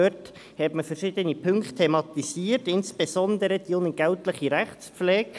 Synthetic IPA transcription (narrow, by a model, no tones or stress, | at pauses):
øt | hɛtməfəɾʃɪd̪ənipʰʏŋkttʰːemɑt̪isiːərtɪnsb̥esɔnd̪əɾəd̥ionəɡ̥æltləχiɾæχtspflɛːɡ